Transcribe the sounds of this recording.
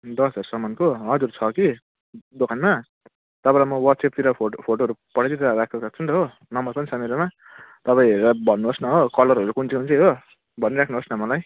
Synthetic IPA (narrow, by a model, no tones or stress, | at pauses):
d̪ʌsd͡zʌɾsʌmʌnkoɦʌd͡zuɾt͡sʰʌki | d̪okʰanma | t̪ʌpãlamʌwʌʈsep̚t̪iɾʌopʰoʈoɦʌɾupʌɽatiɾʌɾakʰosʌkt͡sʰunt̪ɦo | nʌmʌrpʌnisʌmeɾama | t̪ʌpaĩɦeɾabʱʌnːubʌsnʌɦokʌlʌɾɦʌɾukunt͡sikunt͡siɦo | bʱʌniɾakʰnubʌsnʌmʌlaj